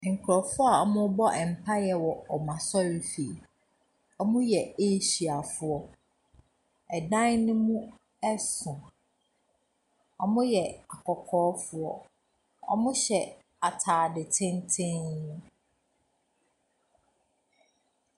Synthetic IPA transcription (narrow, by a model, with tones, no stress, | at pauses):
ŋ̩˨kʰɾɔ˨fʊ˦a˨ɔ˦mʊ̃˦bɔ˦ʔɛ˨m̩˨pʰa˦jɛ˨wɔ˨ɔ˨mã˨sɔ˦wi˦fi˨ | ɔ˦mʊ̃˦jɛ˨e˦ɕi˨a˨fʊ˦ɔ˦ | ɛ˨dã˦nnʊ̃˦mũ˦ | ɛ˦sʊ̃˨ | ɔ˦mʊ̃˦jɛ˨a˨kʰɔ˨kʰɔː˦fʊ˦ɔ˦ | ɔ̰˦mʊ̃˦ɕɛ˨ | a˨tʰaː˨dɪ˨tʰɪ̃˦n˦tʰɪ̃˦ñː˦